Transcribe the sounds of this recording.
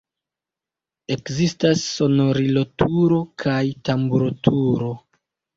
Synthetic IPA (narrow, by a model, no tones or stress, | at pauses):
e̞kzistasːo̞no̞ɾilo̞tuɾo̞kʰajtambuɾotʰuɾo̞